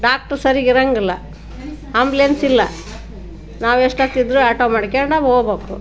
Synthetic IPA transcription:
ɖaːk̚ʈɐɾsɐɾiɡiɾɐŋɡɐlːɐ̰ | ɐmbljɐnsilːɐ | naːʋeʂʈɐt̪ːid̪ɾuɐʈoːmaɽkeːɳɖaboːboːkṵ

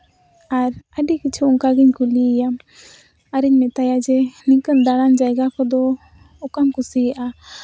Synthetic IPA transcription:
aɾəɖikit͡ʃʰuuŋkaɡiɲkulijam | aɾiɲmɛt̪ajad͡ʒɛniŋkənd̪aɽand͡ʒajɡakʰɔd̪ɔ | ɔkamkusijaʔa

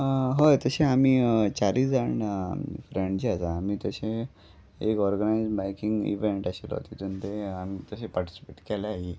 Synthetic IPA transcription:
ɦojt̪əɕeamiːt͡ɕaɾiːd͡zaɽɳ̰fɾẽɳɖt͡ɕiasaːmiːt̪əɕe | ekɔɾɡənajd͡zbajkĩŋɡḭʋeɳʈaɕḛlo̰t̪it̪ənt̪eamiːt̪əɕepaɾʈi̥si̥peʈkɛlaaɦi

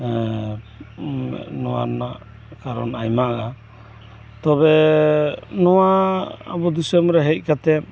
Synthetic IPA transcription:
ʔnɔwa̰naʔ | kaɾɔ̰najmaa | t̪ɔbɛ | nɔwaa̰bɔd̪isɛmɾɛɦɛc̚kat̪ɛ

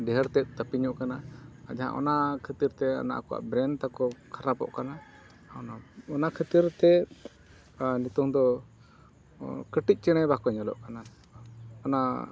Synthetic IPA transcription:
ɖɛɦəɾt̪ɛt̪̚ˀt̪əpiɲɔʔkanaa̰d͡ʒaɦã̰ʔɔ̰nakʰət̪iɾt̪ɛɔ̰na̰ʔkɔwa̰ʔbɾɛnt̪akɔkʰaɾapɔ̰ʔkana | ɔnaɔnakʰət̪iɾt̪ɛ | nit̪ɔŋd̪ɔ | kəʈic̚ˀt͡ʃɛɽ̃ɛjbakɔɲɔlɔ̰ʔkana | ɔna

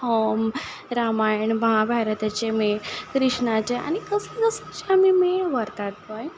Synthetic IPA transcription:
om | ɾamajɳbaɦabʱaɾət̪at͡ɕemekɾiʂɳat͡ɕea̰ɽ̃ikəsəkəsat͡ɕeamimeʋəɾt̪aɽt̪oj

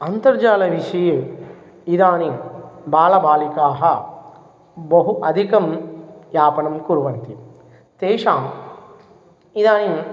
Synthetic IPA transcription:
ɐnt̪ɐɾd͡ʒaːlɐʋiʂɐjɐ | id̪aːnibaːlɐbaːlikaːɦɐ | bɐɦuʔɐd̪ʱikɐmjaːpɐnɐmkuɾuʋɐnt̪i | t̪eːʂaːm | id̪aːni

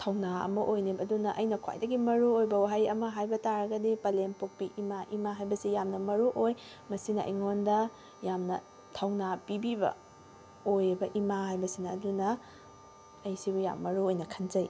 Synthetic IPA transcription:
tʰɐwnaɐ̰mɐʔojnibɐɐdunɐʔɐjnɐkʰa̰jdɐɡimɐɾuojbɐwaɦajɐmɐɦajbɐtaɾɐɡɐdipɐlenpok̚piʔimaʔimaɦajbɐsijamnɐmɐɾuʔoj | mɐsinɐʔḭjŋondɐ | jamnɐ | tʰɐwnapibibɐ̰ | ojbɐʔimaɦajbɐsinɐːdunɐ | jsibuja̰mːɐɾuojnɐkʰɐnd͡ʒɐj

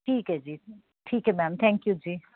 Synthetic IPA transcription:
ʈʰiːkɦɛd͡ʒiː | ʈʰiːkɦɛmɛːmt̪ʰɛ̃ːŋkjud͡ʒiː

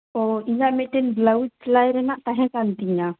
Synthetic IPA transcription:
ɔiɲamɛʈɛnblawit͡ʃlajɾɛnaʔt̪aɦɛ̃kant̪iɲa

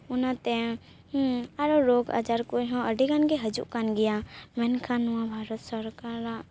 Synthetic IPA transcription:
ʊnat̪ɛ | aɾɔɾoɡa̰d͡ʒaɾkoɦɔ̃əɖiɡanɡɛɦəd͡ʒṵʔkanɡɛjamɛnkʰanuwãbʱaɾɔt̪səɾkaɾaʔ

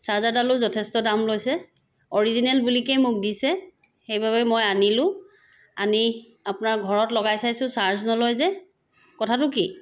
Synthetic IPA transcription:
saɹzadalʊzɔtʰɛstɔdamlojsɛ | ɔɹizinɛlbulikejmʊk̚disɛ | xejbʱaβɛmɔjanilʊ̃ | a̰ni | apʊnaɹɡʱɔɹɔtlɔɡajsajsʊ̃saɹznɔlɔjzɛ | kɔtʰatʊki

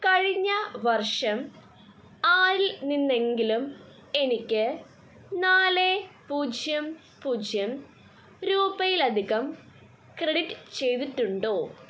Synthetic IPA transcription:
kɐɻiɲːɐʋɐrʂɐm | aːɾilninːe̞ŋɡilum | e̞nikʲːɨ | naːlepuːd͡ʑʱjɐm | puːd͡ʑʱjɐm | ɾuːbɐjilɐd̪ʱiɣɐm | kreɽiʈːɨ̥t͡ɕe̞jt̪̬iʈːuɳɖoː

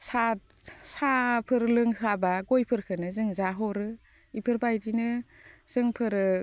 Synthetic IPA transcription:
sa | sapʰɯɾlɯŋsabaɡojpʰɯɾkʰɯnɯzɯŋzaɦɔɾɯ | ipʰɯɾbajdinɯz̥ɯŋpʰɯɾɯ

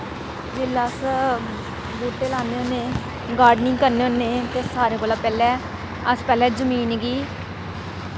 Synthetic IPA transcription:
d͡ʒeːlaːs | boːʈeːlaːneoneː | ɡaːɖnɪŋɡkəɾneoneːt̪eːsaːɾeːkoːlaːpɛːlɛː | əspɛːlɛːd͡ʒəmiːnɡiː

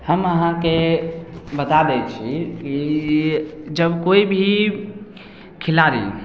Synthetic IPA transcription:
həməɦãke | bət̪ad̪ɛt͡ʃʰiki | d͡ʒəbkoibʱi | kʰilaɾḭ

